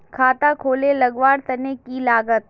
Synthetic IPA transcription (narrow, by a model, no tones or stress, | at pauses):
kʰaːt̪akʰoːlelɐɡʋaːɾt̪ɐnekilaːɡət̪̚